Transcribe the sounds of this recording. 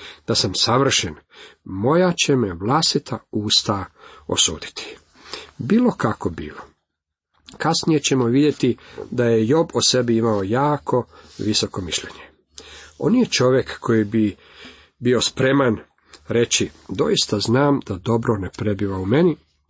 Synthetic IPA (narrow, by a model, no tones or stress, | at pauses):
d̪̥asamsaʋr̩ʃenmo̞jat͡ɕe̞meʋlˠast̪it̪ʰauːst̪ao̰sṵːd̪i̥t̪ʰi̥ | biːlˠo̞kakobḭːlo | kasnije̞t͡ɕe̞moʋid̪je̞t̪id̪aje̞jo̞bose̞biimaojaːkʰo̞ʋiso̞ko̞miʃʎe̞ɲe | o̞̰njet͡ʃo̞ʋje̞kːʰo̞jibi | bio̞spɾe̞man | ɾe̞t͡ɕid̪o̞̰ist̪aznaːmd̪ad̪o̞bɾonepɾe̞biʋaume̞ni